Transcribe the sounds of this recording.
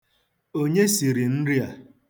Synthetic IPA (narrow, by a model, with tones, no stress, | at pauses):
o˦ɲe˦si˨ɾi˨n̩˦ɾi˦a˨